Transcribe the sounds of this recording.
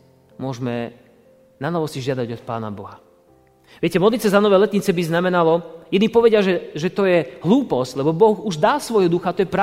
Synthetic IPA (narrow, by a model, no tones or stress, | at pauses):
mʊɔʒmɛ | nanɔʋɔsiʒɪad̪aɟɔt̪̚pa̰ːna̰bɔɦa | ʋɪɛcɛmɔd̪lit̪t͡sɛzanɔʋɛjlɛt̪ɲit͡sɛbiznamɛnalɔjɛd̪nipɔʋɛɟɪaʒɛʒɛt̪ɔjɛɦluːpɔsclɛbɔbɔɣuʒd̪aːsʋɔjɦɔd̪uxat̪ɔjɛpɾa